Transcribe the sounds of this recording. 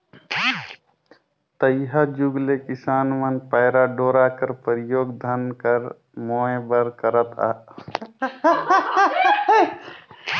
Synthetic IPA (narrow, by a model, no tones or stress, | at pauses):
t̪əjɦad͡ʒuɡlekɪsaːnʋənpaːɾaɖoːɾaːkəɾpəɾɪjoːɡd̪ʱənkəɾ | moːebəɾkəɾət̪a̰ː